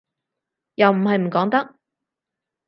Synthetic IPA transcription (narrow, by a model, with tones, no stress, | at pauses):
jɐ˨wm̩˨˩hɐ˨jm̩˨˩kɔː˨˥ŋt̪ɐ˥k̚